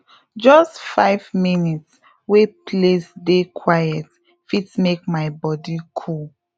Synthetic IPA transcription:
d͡ʒɔstfaɪvminits | wepʰlesdekʰwajɛt | fitmek̚maɪbɔdikʰul

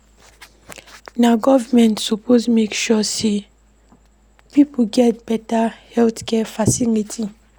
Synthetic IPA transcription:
naɡɔvəmɛ̃ntsɔpʰosmekʃɔse | pipoɡɛt̚b̥ɛtahɛlθkʰɛfasilitʰi

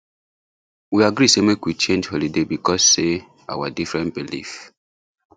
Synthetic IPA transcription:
wiaɡɾisemekwit͡ʃẽnd͡ʒholidebikɔsːe | a̰wadifɹɛ̃nt̚bilḭf

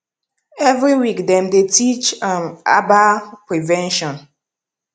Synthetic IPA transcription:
ɛvɹiwikdɛ̃mdetit͡ʃãma̰bapɹivɛ̃nʃɔ̃n

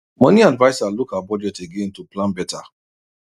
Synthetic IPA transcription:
mɔniadvaɪsalukabɔd͡ʒɛteɡẽntuplãnbɛtʰa

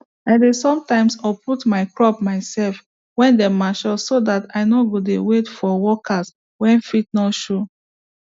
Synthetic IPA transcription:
aɪdesɔ̃mtãɪ̃msɔpʰutmaɪkɹɔpmaɪsɛlf | wɛ̃ndɛmaʃɔsodataɪnoɡodewetfɔwɔkʰas | wɛ̃nfit̚nɔtʃo

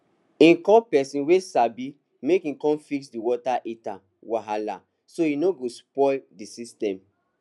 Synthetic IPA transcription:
ĩnkɔ̃pɛsĩnwesabi | mekĩkɔ̃nfiksdiwɔtaʔeta | waɦala̰ | soinoɡospɔldisistɛ̃m

